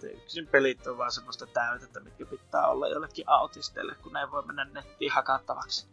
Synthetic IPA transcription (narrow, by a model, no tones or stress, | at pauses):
t̪ḛyksimpelit̪ːoʋʋɑˑensemːost̪ɑt̪æˑyt̪et̪ːæmit̪kæpit̪ːæ̰ːo̰lːɑ̰jjo̰lːekːiʔʔɑˑut̪ist̪ˑḛːlːḛkkunneˑiʋʋoˑemmenːænnet̪ːiːhhɑkɑt̪ːɑʋɑ̰ks